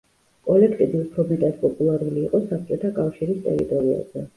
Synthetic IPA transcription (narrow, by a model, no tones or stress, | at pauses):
kʼɔlɛkʰt̪ʼid̪iupʰɾɔmɛt̪ʼaspʼɔpʼulˠaɾuliːqʼɔsat̪ʼɛt̪ʰakʼafʃiɾist̪ʼɛ̰ɾḭt̪ʼɔɾia̰z̥ɛ